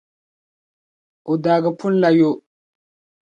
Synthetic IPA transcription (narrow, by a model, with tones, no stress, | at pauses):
u˨da˨ɡə˨pʰu˦n˦la˨jo˦